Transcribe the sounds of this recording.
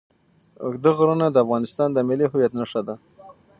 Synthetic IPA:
d̪əɣɾunad̪əafɣɑnɪst̪ɑnd̪əmɪliɦʊwjat̪naʂad̪a

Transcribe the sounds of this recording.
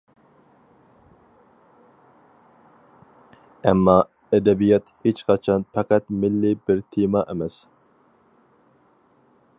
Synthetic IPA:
ɛmːɑ | ɛd̪ɛbijɑt̪het͡ʃqʰɑt͡ʃʰɑnpʰɛqæt̪mɪlːɪbɪɾt̪ʰemɑʔemɛs

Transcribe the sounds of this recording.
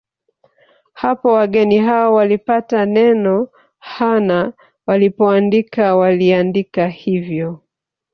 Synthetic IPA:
hapɔwaɠɛniɦawɔwalipatanɛnɔ | hana | walipɔandikawaliandikahivjɔ

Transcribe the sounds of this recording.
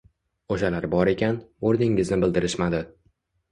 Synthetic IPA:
oʃalaɾbɒɾe̞kʲʰanoɾd̪ɪŋːɪznɪbɪld̪ɪɾɪʃmad̪ɪ

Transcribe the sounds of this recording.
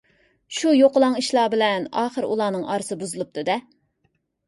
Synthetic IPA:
ʃujoqʊlˠɑŋiʃlˠɑːbɪlɛnɑːχəɾṵlˠɑːnɨŋʔɑ̰ːɾɨsɨbuzɨlˠup̚t̪ʰɨd̪ɛ

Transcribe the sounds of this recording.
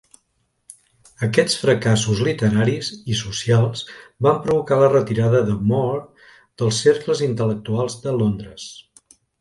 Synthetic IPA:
əkɛt͡sfɾəkasuzlit̪əɾaɾizisusialˠz̥bampɾuβukalərət̪iɾaðəðəmɔt̪ | d̪̥əlˠsːeɾkləzint̪ələk̚t̪ualˠzðəlond̪ɾəs

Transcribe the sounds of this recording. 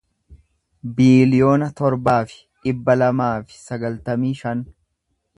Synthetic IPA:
biːlɪjo̞ːnɐt̪ɔɾbaːfɪ̥ | ᶑɪbːɐlɐmaːfɪ̥sɐɡɐlt̪ɐmiːʃɐn

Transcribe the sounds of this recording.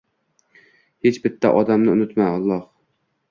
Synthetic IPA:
het͡ʃbɪt̪ʰːa̰ʔɒd̪amnɪʊnɪt̪maɒlˠːɒh

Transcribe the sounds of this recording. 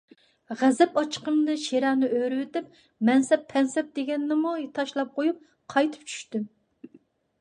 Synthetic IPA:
ʁæzɛpɑt͡ʃʰə̥qəmd̪ɨʃeɾænɪøɾwet̪ɪp | mɛnsɛp̚pʰɛnsɛp̚d̪eɡʲɛnːɪmujt̪ʰɑʃlˠɑp̚qʰojup̚ | qʰɑjt̪ʰɨ̥p̚t͡ʃʰy̥ʃt̪y

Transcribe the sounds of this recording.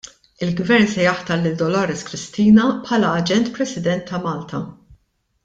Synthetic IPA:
ɪlɡvɛɾnsɛjɐħt̪ɐɾlɪld̪ɔlɔːɾɛskɾɪst̪iːnɐpħɐːlɐːd͡ʒɛnt̪pɾɛsɪd̪ɛnt̪ːɐmɐːlt̪ʰɐ

